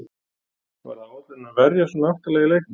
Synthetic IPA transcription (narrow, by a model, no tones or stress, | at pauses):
kva̰ɾaawt̪ɪnavɛɾjasɔnaaht̪alɛːɣɪlejh